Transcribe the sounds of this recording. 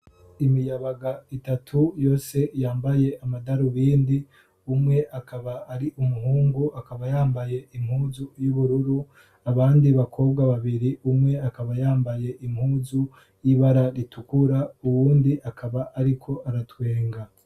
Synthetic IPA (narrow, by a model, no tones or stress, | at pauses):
imijaβaɡaitatʰujo̞ːse̞jaːmbaje̞ʔamadaɾuβiːndi | umŋe̞ʔakʰaβaːɾiʔumuɦuːŋɡuakaβajaːmbaje̞ʔim̥huːzujuβuɾuɾu | aβaːndiβakʰo̞ːbɡaβaβiɾiʔumŋe̞akaβajaːmbaje̞ʔim̥huːzu | jiβaɾaɾitukuɾauwuːndiʔakʰaβaʔːɾikʰo̞ʔaɾatwe̞ːŋɡa